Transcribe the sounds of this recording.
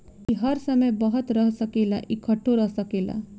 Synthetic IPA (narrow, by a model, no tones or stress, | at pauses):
iɦʌɾsʌməjbʌɦɔt̪ɾʌɦsʌkela̰ʔikʰʌʈʰoɾʌɦsʌkela̰